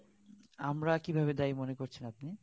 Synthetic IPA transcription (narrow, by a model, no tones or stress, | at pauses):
amɾakibʱabed̪ajmonekoɾt͡ɕʰenap̚ni